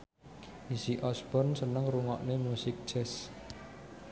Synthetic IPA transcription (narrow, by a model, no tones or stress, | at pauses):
isiʔɔsb̥ɔrnsənəŋruŋɔʔnemusɪk̚d͡ʒɛs